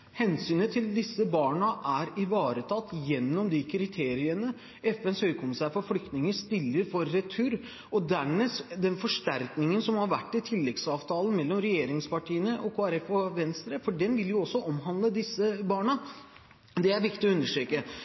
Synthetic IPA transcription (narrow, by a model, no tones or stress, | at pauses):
hɛnsyːnət̪ʰɪld̪ɪsːəbɑːɳəʔæɾɪʋɑːɾət̪ʰɑt̪ːjɛnːɔmd̪ɪkʰɾɪt̪ʰeːɾɪənə | ɛfɛnshœʏkʰʊmɪsæːɾfɔɾflʏk̚t̪nɪŋəst̪ɪlːəɾfɔɾːɛt̪ʰʉɾ | ɔd̪æmeːd̪ɛnfɔʂʈæɾknɪŋənsɔmhɑɾʋæ̰ʈːɪt̪ʰɪlːɛɡsɑːʋt̪ʰɑːlən̩mɛlːɔmɾɛjeːɾɪŋspɑʈʰiːənəʔɔkʰoːæɾɛfɔʋɛnst̪ɾəfɔɖɛnʋɪljʊɔsːɔʔɔmɦɑnd̪ləd̪ɪsːəbɑːɳə | d̪ɛæɾʋɪkt̪ɪɔʉnːəʂʈɾeːkə